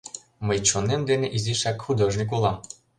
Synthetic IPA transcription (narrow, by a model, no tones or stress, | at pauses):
məjt͡ɕonemd̪eneʔizʲiʃækxud̪oʒnʲik̬ulˠɑ